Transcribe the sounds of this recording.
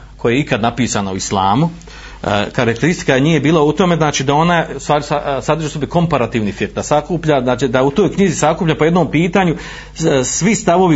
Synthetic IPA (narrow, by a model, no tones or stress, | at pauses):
ko̞jeeikad̪napiːsanauislˠa̰ːmu | kaɾak̚t̪eɾist̪i̥kaenije̞biːlaut̪o̞meznaːt͡ʃiːd̪ao̞nast̪ʋaːsasad̪rʒosobiko̞mpaɾat̪iːʋnifiɾd̪asakuːpʎanaːt͡ʃid̪aut̪o̞ːjkɲizisakuːpʎapo̞jed̪no̞ːmpiːt̪aɲu | sʋist̪aʋo̞ʋi